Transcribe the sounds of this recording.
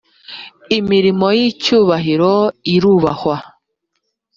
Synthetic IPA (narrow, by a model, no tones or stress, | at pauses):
imiɾimo̞jicuːβaɦiɾoiɾuːβahwa